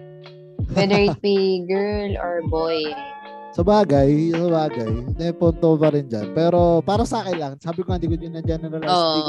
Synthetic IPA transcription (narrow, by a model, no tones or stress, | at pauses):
wɛd̪əɹɪt̚biɡɛɹlɔɹboj | sɐbaːɡajsɐbaːɡajnɛpont̪opɐɾɪnd͡ʒanpɛːɾo̞paːɾɐsɐʔaːkɪnlɐŋsaːbɪkohɐnd̪iːk̪ʊɲʊnːɐd͡ʒɛnɛɾɐlao